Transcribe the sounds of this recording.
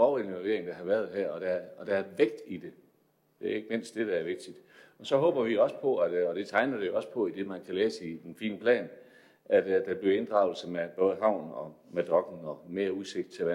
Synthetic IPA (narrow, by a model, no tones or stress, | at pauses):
ɒʊe̝nʋɒlʋe̝ɐeŋd̥æɦɑ̈ʋæɐð̞ˠɦæɐ̰ɒ̽d̥æɐɒ̽d̥ææɐʋeɡ̥̚d̥id̥e̝ | d̥e̝æɐe̝ɡ̥əme̝n̰sd̥e̝ɾ̥ææɐʋe̝ɡ̥̚d̥id̥ɒ̽sɒ̽ɦɔ̽ːb̥ɐʋioɒ̽sə̥pʰɒ̽æd̥ɒ̽d̥e̝t͡sʰɑ̈ɪnɐd̥e̝jo̝ɒ̽spʰɒ̽id̥e̝mænkʰælɛːsəid̥enfḭːnəpʰlɛ̰ːn | ʔæd̥d̥æb̥liɐe̝nd̥ʁɑ̈ʊl̩səmeb̥ɔ̽ːð̞ˠəɦɑ̈ʊ̰nɒ̽med̥ʁɒ̽ɡ̥n̩ɒ̽me̝ːɐuse̝ɡ̥d̥̚t͡sʰe̝ʋæ